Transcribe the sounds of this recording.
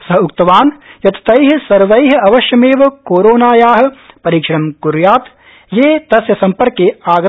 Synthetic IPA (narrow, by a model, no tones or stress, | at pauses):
sɐɦukt̪ɐʋaːnjɐt̪ɐ̥t̪ɐjɦɐsɐɾʋɐjɦɐɐʋɐʃjɐmeːʋɐkoːɾoːnaːjaːɦɐ̆pɐɾiːkʂɐɾɐmkuɾjaːt̪ | jeːt̪ɐsjɐsɐ̃mpɐɾkeaːɡ